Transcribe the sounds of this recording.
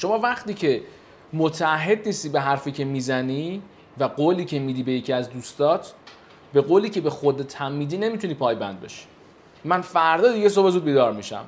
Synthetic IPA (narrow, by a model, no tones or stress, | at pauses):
ʃo̞mɒːvæχt̪iːcʰe̞ | mot̪ʰæːɦːe̞d̪niːst̪iːbe̞ɦæɾfiːcʰe̞mizæniː | væɡoːliːcʰe̞mid̪iːbe̞jecʰiæzd̪uːst̪ɒːt̪ʰ | be̞ɣoːliːcʰe̞be̞xod̪t̪ʰæmːiːd̪iːne̞mit̪ʰuniːpʰɒːjbænd̪̚bḛʃi̥ | mænfæɾd̪ɒːd̪iɡe̞s̬obezuːd̪biːd̪ɒːɾmiʃæ̰m